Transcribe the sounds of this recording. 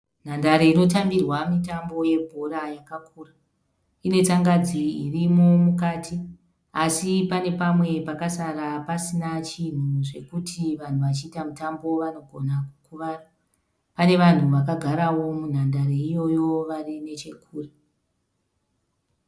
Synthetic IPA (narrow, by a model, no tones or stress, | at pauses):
n̤andaɾeino̞tambirwamitambo̞je̞bʱoɾajakakuːra | ine̞t͡saŋɡad͡ziirimo̞mukaːtʰi | asipane̞pamwe̞pakasaɾapasinat͡ʃin̤uʐe̞kutʰiʋan̤uʋat͡ʃiːtamutambo̞ʋano̞ɡʱo̞nakukuʋaːra | pane̞ʋan̤uʋakaɡʱaɾawo̞mun̤andaɾeijo̞jo̞ʋarine̞t͡ʃe̞kʰuːre